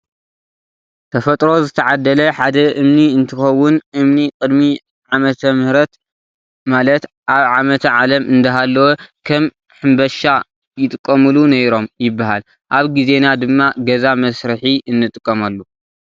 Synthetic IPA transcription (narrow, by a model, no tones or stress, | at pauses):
t̪ʰɐfɐt̪ʼɾo̞zɨt̪ʰɐʕad̪ːɐlɐħad̪ɐʔɨmniɨnt̪ʰɨxɐwːʊnʔɨmnikʼɨd̪mi | ʕamɐt̪ʰɐmɨhɾɐt̪ | malɐt̪ | ʔaβʕamɐt̪ʰʕalɐmʔɨnd̪ɐɦalːɐwokʰɐm | ħɨmbɐʃa | jɪt̪ʼɨkʼːɐmɨlunɐjɾo̞mjɪbːaɦa̰l | ʔaβɡize̞nad̪ɨmːaɡɐzamɐsɾɨħiʔɨnːɨt̪ʼɨkʼːɐmalːu